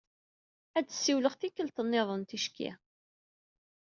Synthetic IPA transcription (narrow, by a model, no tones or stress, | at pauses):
ædə̥sːiwləʁθikːəlt̪ənːeðˤənt̪iʃkḭ